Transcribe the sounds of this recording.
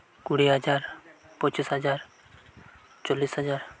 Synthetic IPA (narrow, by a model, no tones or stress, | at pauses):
kʊɽiɦəd͡ʒaːɾ | pət͡ʃisɦəd͡ʒaːɾ | t͡ʃoːlːiːsɦəd͡ʒaːɾ